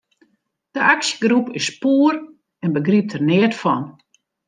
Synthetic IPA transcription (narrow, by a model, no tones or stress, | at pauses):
d̥əʔaksjəɡrupɪspuːr | ɛnbəɡrip̚tʰərnɪətfɔ̰n